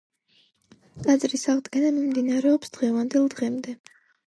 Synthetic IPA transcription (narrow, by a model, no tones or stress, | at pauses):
t̪ʼad̪zʼɾisaʁd̪ɡɛnamimd̪inaɾɛɔpsd̪̥ʁɛvand̪ɛlˠd̪ʁɛmd̪ɛ